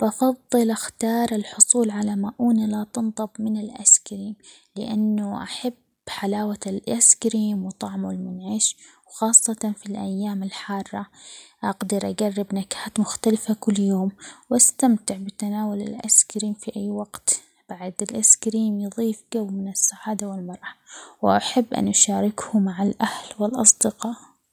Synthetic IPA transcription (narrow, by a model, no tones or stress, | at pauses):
bʔɑfɑðˤːɨlʔaxt̪ɑːɾˤɪlħʊsˤuːlʕalamaʔuːnalat̪ɨnt̪ˤɨbmɪnɪlʔa̰skɾiːm | lɪ̰ʔanːʊʔaħab | ħalaːwalʔaskɾiːmwt̪ˤɑʕmʊlmʊnʕɪʃwxɑːsˤːɑt̪ɑnfilʔajːaːmɪlħɑːrˤːɑʔɑɡd̪ɪɾʔaɡarːɪbnakːaːt̪mʊxt̪alɪfakʊlːjoːmwʔast̪amt̪ɪʕbɪt̪anaːwalɪ̰lʔa̰skɾiːmfiʔajːwaɡt̪ | b̥aʕd̪ɪlʔɪskɾiːmjɨðˤiːfɡawmɪnɪsːaʕaːd̪awɪlmɑɾˤɑwɪʔaħabːʔa̰nʔaʃaːɾɪkhʊmaʕalʔahlwɪlʔɑsˤd̪ɪqɑːʔ